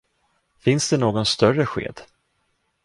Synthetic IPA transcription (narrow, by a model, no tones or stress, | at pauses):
fɪnsd̪ɛnoːɡɔnst̪œrəɧḛːd̪